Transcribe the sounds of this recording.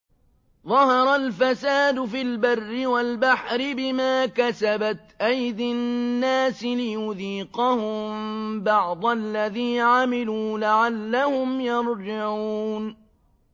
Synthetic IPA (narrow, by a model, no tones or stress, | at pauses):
ðˤɑhɑɾˤalfasaːd̪ʊfilbɑrːɪwalbaħɾɪbɪmaːkasabat̪ʔajd̪ɪnnːaːsɪlɪjʊðiːqɑhʊmmbɑʕd̪ˤalːaðiːnʕamɪluːlaʕalːahʊmjɑɾˤd͡ʒaʕuːn